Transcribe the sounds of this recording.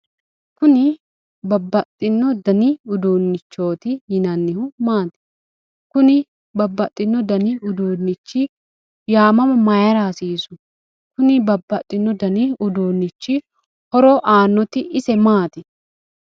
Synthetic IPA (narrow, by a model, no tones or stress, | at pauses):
kʊnɪ | bɐbːɐt̪ʼːɪnːɔd̪ɐnɪʊd̪oːnːɪt͡ʃːo̞ːt̪ɪjɪnɐnːɪhʊmaːt̪ɪ̥ | kʊnɪ | bɐbːɐt̪ʼːɪnːɔd̪ɐnɪʊd̪oːnːɪt͡ʃːɪ | jaːmɐmɐmɐjɐɾaːsiːsʊ̥ | kʊnɪbɐbːɐt̪ʼːɪnːɔd̪ɐnɪʊd̪oːnːɪt͡ʃːɪ | hɔɾɔʔaːnːɔt̪ɪʔɪsɛmaːt̪ɪ